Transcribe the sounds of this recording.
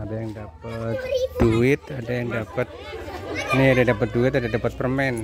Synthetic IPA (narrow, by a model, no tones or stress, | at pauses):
adajaŋdap̚ət̪̚d̥uɪt̪adajaŋdapət̪̚ | niadadapət̪̚duɪt̪adadapət̪̚pərmɛn